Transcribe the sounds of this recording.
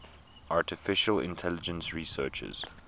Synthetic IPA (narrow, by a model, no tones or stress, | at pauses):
ʔaːtɪfɪʃəlɪ̰̃ntʰɛlɪd͡ʒə̃nsɹiːsɜːˑt͡ʃə̰z̥